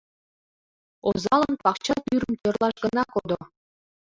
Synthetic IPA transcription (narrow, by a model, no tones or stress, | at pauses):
ozɑlˠɤnpɑkt͡ɕɑp̪yɾə̆mt͡ɕʲørlˠɑʃɡɤ̆nɑkod̪o